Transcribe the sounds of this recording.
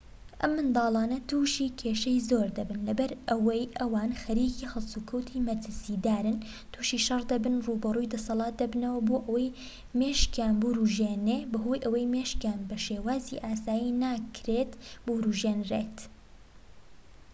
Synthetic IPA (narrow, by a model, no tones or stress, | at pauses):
ʔɐ̰mːɨnd̪ɑːlˠɑːnɐt̪ʰuːʃiːkʰeːʃɐjzoːɾd̪ɐbɨnlɐbɐɾɐwɐjʔɐwaːnxɐɾiːkiːhɐlˠsukʰɐwt̪ʰimɐɾt̪ʰɨsiːd̪aːɾɨn | t̪ʰuːʃiːʃɐrd̪ɐbɨnruːbɐruːjd̪ɐsɐlˠɑːt̪̚d̪ɐbnɐwɐboːʔɐwɐj | meːʃkjaːnbuɾuʒeːnebɐɦoːjʔɐwɐjmeʃkjaːnbɐʃeːwaːziʔaːsaːjinaːkʰɾet̪buɾuːʒeːnrḛt̪